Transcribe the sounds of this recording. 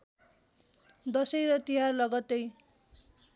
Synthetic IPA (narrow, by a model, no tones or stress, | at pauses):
d̪ʌsʌjɾʌt̪iɦarlʌɡʌt̪ej